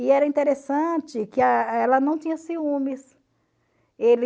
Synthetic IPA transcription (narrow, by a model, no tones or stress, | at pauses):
ɪɛɾɐĩnt̪eɾesɐ̃t͡ʃɪkɪɐɛlɐnɐ̃w̃t͡ʃ̪ĩɲɐsiũmɪs | el